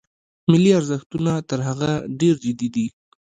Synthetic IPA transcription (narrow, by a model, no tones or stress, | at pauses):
mɪliaɾzəxt̪unat̪əɾɦaɣaɖeɾd͡ʒɪd̪id̪i